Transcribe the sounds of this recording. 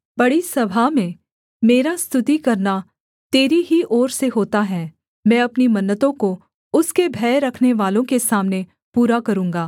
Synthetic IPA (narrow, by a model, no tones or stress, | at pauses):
bɐɽisɐbʱamẽ | meːɾast̪ʊt̪ikɐɾna | t̪eːɾiɦiʔɔːɾseɦoːt̪aɦɛː | mɛ̃ːɐpnimɐnːət̪õko | ʊskebʱɛːɾɐkʰneʋaːlõkesaːmne | puːɾakɐɾũːŋɡaː